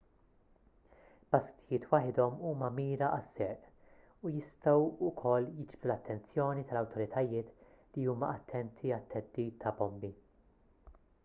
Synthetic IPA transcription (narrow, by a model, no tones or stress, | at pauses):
b̥ɐst̪ɪjɪːt̪wɐħɪd̪ɔmuːmɐmiːɾɐʔɐsːɛːʔ | ujɪst̪ɐwʊkʰɔlːjɪd͡ʒbd̪ulɐt̪ːɛnt͡sjɔːnit̪ɐlɐwt̪ʰɔɾɪt̪ʰɐjɪːt̪ | liuːmɐʔɐt̪ʰːɛnt̪ʰiɐt̪ːɛd̪ːiːt̪ʰːɐbɔmbi